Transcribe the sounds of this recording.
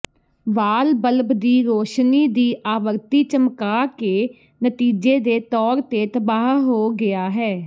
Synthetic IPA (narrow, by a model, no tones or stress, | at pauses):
ʋaːlbəlbd̪iːɾoːʃniːd̪iːʔaːʋəɾt̪iːt͡ʃəmkaːkeː | nət̪iːd͡ʒeːd̪eːt̪ɔːɾt̪eːt̪əbaːɦɦoːɡɪaːɦɛː